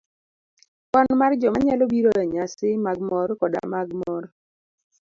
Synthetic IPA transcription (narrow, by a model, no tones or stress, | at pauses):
kɔnmard͡ʒɔmaɲalobiɾoɛɲasɪmaɡmɔrkɔda̰maɡmɔɾ